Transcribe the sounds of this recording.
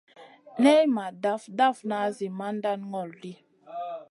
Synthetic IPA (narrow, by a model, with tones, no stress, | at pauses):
nɛ˦jma˨da˦fda˦fna˨˦zi˨ma˦nda˦nŋɔ˨ldi˦